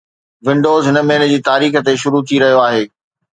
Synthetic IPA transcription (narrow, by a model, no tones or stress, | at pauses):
ʋɪ̃ɳɖoːzɦɪnə̆mẽːn̆d͡ʑiːt̪aːɾiːxə̆t̪eʃʊɾut̪ʰiɾɐɦijoaːɦeː